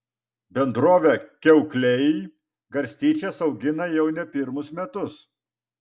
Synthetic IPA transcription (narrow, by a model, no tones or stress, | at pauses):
bʲɛnd̪ɾoːʋʲɛkʲɛʊklʲɛj | ɡɐɾʲsʲt̪ʲiːt͡ʃʲɛsɒʊɡʲɪnɐjɛʊnʲɛpʲɪɾmʊsmʲɛt̪ʊs